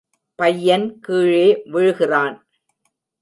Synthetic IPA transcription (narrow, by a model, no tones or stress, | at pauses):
pɐjːɐnkiːɻeːʋɪɻɯɣɪraːn